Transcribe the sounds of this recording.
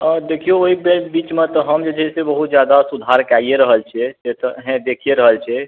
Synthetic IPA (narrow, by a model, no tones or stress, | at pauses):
d̪ekʰijooɦibelbit͡ʃmet̪ɔɦəmd͡ʒed͡ʒʱɛsebəɦut̪̚d͡ʒjad̪asud̪ʱaɾkaijeɾəɦəlt͡ʃʰɛset̪əɦɛ̃d̪ekʰijeɾəɦəlt͡ʃʰɛ